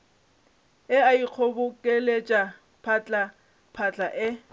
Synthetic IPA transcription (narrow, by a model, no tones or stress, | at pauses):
ɪaiq͡χʰobʊkʼelet͡ʃʼa | pʰat͡ɬʼa | pʰat͡ɬʼaʔɪ